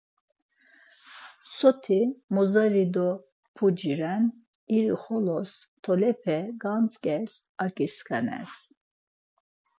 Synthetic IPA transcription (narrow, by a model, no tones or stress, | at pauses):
sɔt̪ʰimɔzaɾid̪ɔ | pʰud͡ʒiɾɛn | iɾiχɔlɔs | t̪ʰɔlɛpʰɛɡant͡sʼkʼɛsakʼiskʰɛnɛ̰s